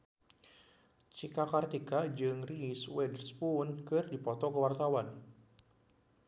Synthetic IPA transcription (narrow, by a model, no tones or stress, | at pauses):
t͡ʃikakart̪ikad͡ʒɨŋriswɛdərspʊnkɨrdipɔt̪ɔkəwart̪awan